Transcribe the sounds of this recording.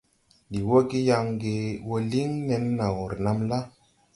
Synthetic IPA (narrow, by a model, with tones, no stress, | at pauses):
di˨wo˦ɡi˦ja˧ŋɡe˧wo˦li˦ŋne˧n˦na˨wu˨ɾna˨mla˦